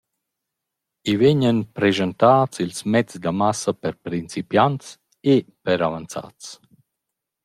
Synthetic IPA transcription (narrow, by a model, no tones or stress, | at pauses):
iveɲənpɾɛʒənt̪aːtt͡silsmɛt͡sd̪amasapɛɾpɾint͡sipjant̪s | epɛɾavant͡sa̰t͡s